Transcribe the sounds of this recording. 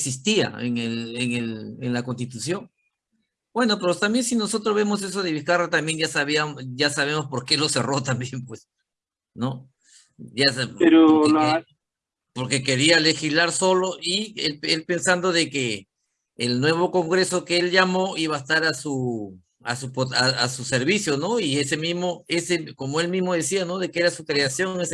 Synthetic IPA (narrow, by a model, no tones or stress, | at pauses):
eksist̪ia̰eŋeleŋelenlako̞nst̪it̪usjo̞ŋ | b̥we̞no̞peɾot̪ambje̞nsino̞so̞t̪ɾoβemo̞se̞so̞ðe̞βiskarat̪ambje̞ŋʝasaβiamʝasaβ̞e̞mo̞spo̞ɾke̞lo̞se̞ro̞t̪ambje̞mpwes | no̞ | japeɾo | po̞ɾke̞ke̞ɾiale̞xizlaɾso̞lo̞ʔielelpe̞nsand̪o̞ðe̞keː | lnwe̞β̞o̞ko̞ŋɡɾe̞so̞keelʝamo̞iβaest̪aɾasu | a̰supoaasuse̞ɾβisjo̞no̞ie̞se̞mizmo̞e̞seko̞moe̞lmizmo̞ð̞e̞siano̞ðe̞kee̞ɾasukɾe̞asjo̞ŋes